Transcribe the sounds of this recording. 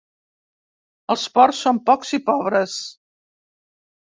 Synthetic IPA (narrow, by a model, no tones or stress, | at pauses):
əlˠspɔrsːompɔksipɔβɾəs